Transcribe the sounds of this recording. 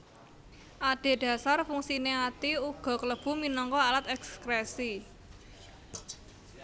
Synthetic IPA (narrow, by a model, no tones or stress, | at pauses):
ʔaɖ̥e̤ɖ̥ä̤sarfuŋsineat̪iuɡ̥ɔ̤kələb̥ṳminɔŋkɔalat̪ɛkskɾɛsi